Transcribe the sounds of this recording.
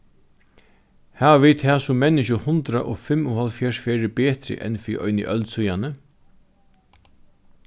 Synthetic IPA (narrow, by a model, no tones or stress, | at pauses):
haːʋviːd̪̚t̪ʰaːsʊmːɛnːɪʃʊhʊnt̪ɾaʔɔːfɪmʊhalfjɛʂfɛːɾɪbeːt̪ɾɪ̰ʔɛ̰nfiːʔɔ̰jnɪ̰ʔœlt̪sujanə